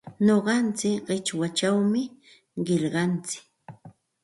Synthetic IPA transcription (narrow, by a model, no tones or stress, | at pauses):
noɢɑnt͡sɪkɢɪt͡ʃwat͡ʃawmɪ | ɢɪʎɢɑnt͡sɪ̥k